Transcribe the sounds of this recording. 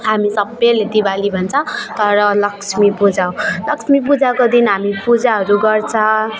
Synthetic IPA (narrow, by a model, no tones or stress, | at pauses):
ɦamisʌbːeled̪ibalibʱʌnt͡sʰʌ̃t̪ʌɾʌlʌksʰmipud͡zaw̃lʌksʰmipud͡zawkod̪inɦamipud͡zaɦʌɾuɡʌrt͡sʰʌ̃